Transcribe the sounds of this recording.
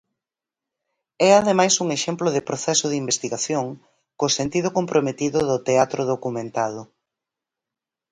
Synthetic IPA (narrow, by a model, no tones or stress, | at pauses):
ɛaðemajsuŋeʃemplʊð̞ɪpɾoθɛsʊðimbest̪iɣaθjoŋ | kosent̪ið̞ʊkompɾomet̪iðʊðʊt̪eat̪ɾoðokumẽnt̪að̞ʊ